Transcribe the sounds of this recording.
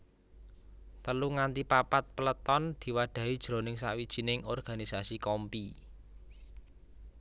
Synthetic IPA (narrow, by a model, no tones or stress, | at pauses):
t̪əluŋant̪ipapat̪̚pələt̪ɔnd̪̥i̤waɖ̪̥ä̤ɦid̥ʒ̥ɾo̤nɪŋsa̰ʔwid̥ʒ̥i̤nɪŋɔrɡ̥a̤nisasikɔmpi